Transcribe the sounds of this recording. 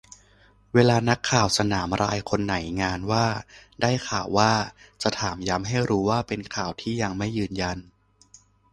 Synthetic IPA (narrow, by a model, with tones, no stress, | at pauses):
weː˧laː˧na˦˥kʰːaː˨˩wsa˧naː˩˦mɾʔaː˧jkʰo˧nːa˩˦jŋaː˧nwaː˥˩daː˥˩jkʰaː˨˩wːaː˥˩t͡ɕa˨˩t̪ʰaː˩˦mja˦˥mɦa˥˩jɾuː˦˥waː˥˩pe˧nkʰaː˨˩wt̪ʰiː˥˩ja˧ŋma˥˩jːɯː˧nja˧n